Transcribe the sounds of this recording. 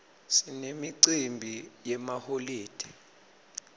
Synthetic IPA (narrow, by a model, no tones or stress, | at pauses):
sinemiǀimbʱijɛmaholiːd̥ʱi̥